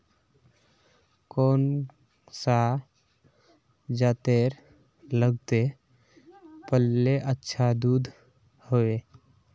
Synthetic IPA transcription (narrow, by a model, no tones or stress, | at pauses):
koːn | sa | d͡ʒat̪eɾ | ləɡt̪e | pəlːeʔətːʃʰad̪ud̪ʱ | hoe